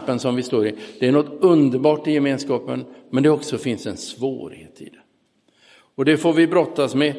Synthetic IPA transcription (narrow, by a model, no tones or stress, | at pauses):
pːənsɔmvɪst̪oːɾɪd̪̥ɛæɳnɔt̪ːɵnd̪əɾbɑːʈɪjɛmeːnskɑːpə̰nmɛnd̪ɛɔksɔfɪnsɛnsvo̰ːɾhḛːt̪ʰɪ̰d̪ɛ | ɔd̪ɛfoːɾvɪbɾɔt̪ːasmɛ